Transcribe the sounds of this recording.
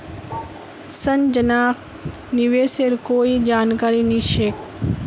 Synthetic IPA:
sɐnd͡ʒənaːk | niʋeːseɾkoːid͡ʒaːnkaːɾiniʃeːk

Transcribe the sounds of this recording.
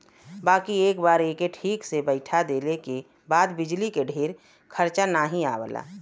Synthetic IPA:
baːkieːkbaːɾeːkeʈʰiːksebəɪʈʰad̪eːleke | baːd̪bɪd͡ʒlikeɖʱeːɾ | kʰəɾt͡ʃanaːɦĩa̰ːbla̰ː

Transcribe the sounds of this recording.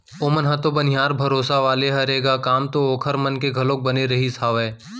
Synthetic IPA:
oːmənɦɐt̪obɐnɪjaːɾbʱɐɾoːsaʋaːleɦɐɾeːɡaːkaːmt̪ooːkʰəɾmɐnkeɡʱɐlõːk̚bɐneɾɐɦisaːʋɛː

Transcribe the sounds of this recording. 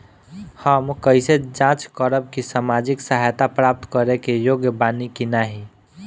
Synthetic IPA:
həmkəised͡ʒãt͡ʃkəɾəb̚kisamad͡ʒiksəɦajt̪apɾap̚t̪kəɾekejoɡjəbanikinaɦi

